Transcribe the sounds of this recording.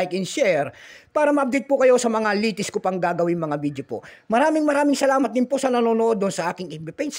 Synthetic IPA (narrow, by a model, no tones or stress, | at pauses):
jkɪnʃɛɾpaːɾɐmɐʔɐb̚d̪ɛt̪̚pʊkɐjo̞sɐmɐŋaliːt̪ɪskʊpɐŋɡaːɡɐwɪŋmɐŋabid̪jopo̰mɐɾaːmɪŋmɐɾaːmɪŋsɐlaːmɐt̪̚d̪ɪnposɐnɐnoːnoʔo̞d̪ːʊnsɐʔaːkɪŋɪnbɪpɛns